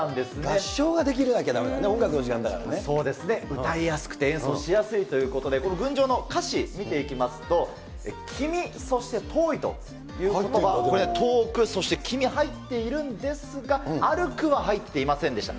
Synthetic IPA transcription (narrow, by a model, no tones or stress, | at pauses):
ãnd̪e̞sɨnɡ̪eɕːo̞ːɡad̪e̞k̬ʲiɾɯ̟d̪aked̪amenaneõŋɡakɯno̞ʑikãnd̪aka̰ɾa̰eso̞ːd̪e̞sɨne̞ɯ̟t̪aijasɨ̥kɯ̟̥t̪eẽɰ̃so̞ːɕijasɨit̪o̞jɯ̟ːko̞t̪o̞d̪ekonɡɯ̟̃ɲ̟d͡ʑo̞ːnokaɕimʲit̪e̞ikʲimasɨ̥t̪o̞ | ḛkʲʰimʲiso̞ɕi̥t̪e̞t̪ʰo̞ːit̪o̞̰ | jɯ̟ːkot̪oβakoɾeet̪ʰo̞ːkɯ̟so̞ɕi̥t̪e̞kʲʰimʲiɦait̪ːe̞iɾɯ̟̃nd̪e̞sɨɡaaɾɯ̟kɯ̟βaɦait̪ːe̞imasẽnd̪e̞ɕi̥t̪a̰